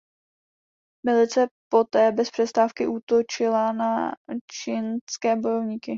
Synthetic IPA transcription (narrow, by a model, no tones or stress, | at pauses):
mɪlɪt͡sɛpo̞t̪ɛːbɛspr̝̥ɛst̪aːfkɪʔut̪o̞t͡ʃɪlanat͡ʃinskɛːbo̞jo̞vɲiːkɪ